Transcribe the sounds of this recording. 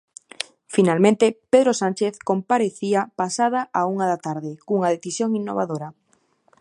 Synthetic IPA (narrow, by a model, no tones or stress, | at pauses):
finalmẽnt̪epeðɾosanʲt͡ʃeθkompaɾeθiapasað̞aʔauŋaðat̪aɾðɪkuŋaðeθisjoŋinːo̰βa̰ðoɾa